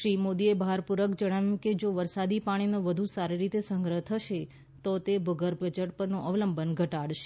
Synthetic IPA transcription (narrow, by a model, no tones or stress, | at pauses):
ʃɾimod̪iebʱaɾpuɾəkd͡ʒəɽ̃aʋjũked͡ʒoʋəɾsad̪ipaɽ̃inoʋəd̪ʱusaɾiɾit̪esəŋɡɾəɦt̪ʰəʃe | t̪ot̪ebʱəɡəɾbʱəd͡ʒəʈpəɾnoʔəʋləmbʱənɡʱəʈaɽʃe̥